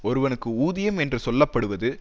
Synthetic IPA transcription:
ɔɾɯʋɐnɯkːɯuːðɪjɐmɛndrɯsɔlːɐpːɐɽɯʋɐðɯ

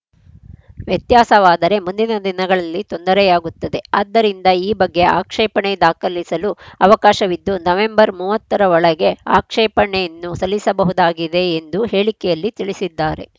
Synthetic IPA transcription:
ʋjɐt̪jaːsɐʋaːd̪ɐɾe̞mund̪inɐd̪inɐɡɐɭɐlːit̪o̞nd̪ɐɾɛjaːɡut̪ːɐd̪e̞ɐd̪ːɐɾind̪ɐiːbɐɡːe̞a̰ːkʂɛːpɐɳed̪aːkɐlisɐluɐʋɐkaːʃɐʋid̪ːunɐʋe̞mbɐɾmuːʋɐt̪ːɐɾɐʋɔɭɐɡe̞a̰ːkʂɛːpɐɳejɐnːusɐlːisɐbɐɦud̪aːɡid̪e̞ːnd̪uhe̞ːɭikɛjɐlːit̪iɭisid̪ːaːɾe̞̰

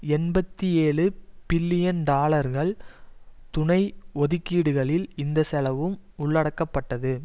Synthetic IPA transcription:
ɛnbɐt̪ːieːɭɯpɪlːɪjɐnɖaːlɐɾɣɐɭ | t̪ʊɳɐɪɔðɪkːiːɽɯɣɐɭɪlɪnd̪ɐsɛlɐʋɯmʊɭːɐɽɐkːɐpːɐʈːɐðɯ

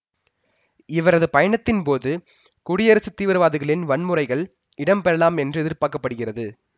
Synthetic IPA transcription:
ɪʋɐɾɐðɯpɐjɐɳɐt̪ːɪnpoːðɯ | kʊɽɪjɐɾɐsɯt̪ːiːʋɐɾʋaːðɯɣɐɭɪnʋɐɳmɯrɐɪɣɐɭ | ɪɽɐmpɛɾɐlaːmɛndrɯɛðɪɾpaːkːɐpːɐɽɯɣɪrɐðɯ

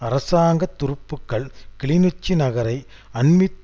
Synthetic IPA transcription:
ɐɾɐsaːŋɡɐt̪ːʊɾɯpːɯkːɐɭkɪɭɪnɯt͡ʃːinɐɣɐɾɐɪ | ɐnmɪt̪ː

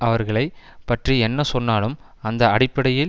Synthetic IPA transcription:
ɐʋɐɾɣɐɭɐɪ | pɐʈriɛnːɐsɔnːaːlɯm | ɐnd̪ɐɐɽɪpːɐɽɐjɪl

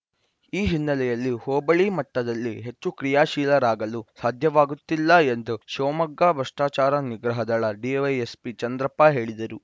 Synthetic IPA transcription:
iːɦinːɐlɛjɐlːihoːbɐɭimɐʈːɐd̪ɐlːiɦe̞t͡ʃːukɾijaːʃiːlɐɾaːɡɐlusaːd̪ʱjɐʋaːɡut̪ːilːɐend̪uʃoːmɐɡːaːbʱɐʂʈaːt͡ʃaːɾɐniɡɾɐɦɐd̪ɐɭɐɖiʋɐjespit͡ʃɐnd̪ɾɐpːaɦe̞ːɭid̪ɐɾu

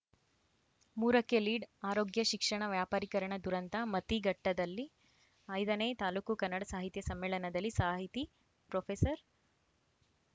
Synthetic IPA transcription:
muːɾɐkːeliːɖaːɾoːɡjɐʃikʂɐɳɐʋjaːpaːɾikɐɾɐɳɐd̪uɾɐnt̪ɐmɐt̪iɡɐʈːɐd̪ɐlːi | ɐjd̪ɐneːt̪aːluːkukɐnːɐɽɐsaːɦit̪jɐsɐmːeːɭɐnɐd̪ɐlːisaːɦit̪i | pɾoːpʰeːsɐɾ

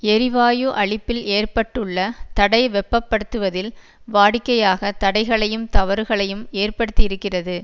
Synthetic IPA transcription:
ɛɾɪʋaːjɯʔɐɭɪpːɪleːrpɐʈːɯɭːɐt̪ɐɽɐɪʋɛpːɐpːɐɽɯt̪ːɯʋɐðɪl | ʋaːɽɪkːɐjaːɣɐt̪ɐɽɐɪɣɐɭɐjɯmt̪ɐʋɐɾɯɣɐɭɐjɯmeːrpɐɽɯt̪ːɪjɪɾɯkːɪrɐðɯ

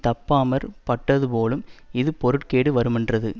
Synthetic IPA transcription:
t̪ɐpːaːmɐɾpɐʈːɐðɯpoːlɯmɪðɯpɔɾɯʈkeːɽɯʋɐɾɯmɛndrɐðɯ

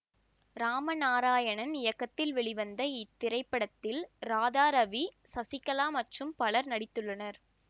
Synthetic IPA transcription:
ɾaːmɐnaːɾaːjɐɳɐnɪjɐkːɐt̪ːɪlʋɛɭɪʋɐnd̪ɐɪt̪ːɪɾɐɪpːɐɽɐt̪ːɪlɾaːðaːɾɐʋisɐsɪkːɐlaːmɐʈrɯmpɐɭɐɾnɐɽɪt̪ːɯɭːɐnɐɾ

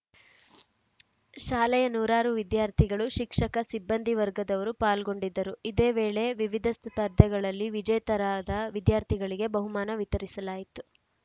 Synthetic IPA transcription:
ʃaːlɛjɐnuːɾaːɾuʋid̪jaːɾt̪ʰiɡɐɭuʃikʂɐkɐsibːɐnd̪ʱiʋɐɾɡɐd̪ɐʋɐɾupaːlɡo̞ɳɖid̪ːɐɾuid̪e̞ːʋeːɭe̞ʋiʋid̪ʱɐspɐɾd̪ʱɐɡɐɭɐlːiʋid͡ʒɐjt̪ɐɾaːd̪ɐʋid̪jaːɾt̪ʰiɡɐɭiɡe̞bɐɦumaːnɐʋit̪ɐɾisɐlaːjit̪u

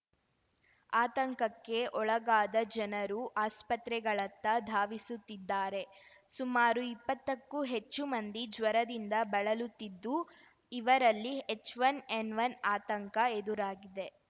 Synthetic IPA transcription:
aːt̪ɐŋkɐkːe̞ʔɔɭɐɡaːd̪ɐd͡ʒɐnɐɾuʔaːspɐt̪ɾɛɡɐɭɐt̪ːɐd̪ʱaːʋisut̪ːid̪ːaːɾe̞ | sumaːɾuipːɐt̪ːɐkːuɦe̞t͡ʃːumɐnd̪id͡ʒʋɐɾɐd̪ind̪ɐbɐɭɐlut̪ːid̪ːu | iʋɐɾɐlːiet͡ʃːʋɐneɳɖʋɐnaːt̪ɐŋkɐed̪uɾaːɡid̪e̞

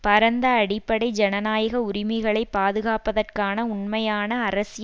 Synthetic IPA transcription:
pɐɾɐnd̪ɐːɽɪpːɐɽɐɪd͡ʒɛnɐnaːjɐɣɐʊɾɪmɐɪɣɐɭɐɪpːaːðɯɣaːpɐðɐrkaːnɐʊɳmɐjaːnɐːɾɐsɪj

